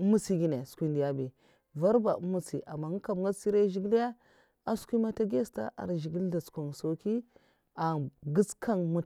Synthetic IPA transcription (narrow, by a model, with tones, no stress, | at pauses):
mu˦si˦ɡi˦ne˨skʷi˦ndi˨ja˦bi˨ | va˦ɾba˨u˦mːu˦si˨ʔa˨mːa˨ŋ˦ka˨m˨ŋɡa˦si˦ɾa˦ʒi˦ɡi˦la˦ | a˦skʷi˦ma˦ta˦ɡe˦sta̰˦ʔa̰˨ɾʒi˨ɡi˦lda˨t͡skʷa˨ŋso˨ki˦ | a˨ɡi˦skʰa˦nmu˦